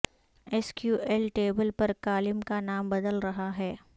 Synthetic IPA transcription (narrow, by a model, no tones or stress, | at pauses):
eskjuːʔɛlʈeːbəlpɐɾkaːlɪmkanaːmbɐd̪əlɾɐɦaɦɛː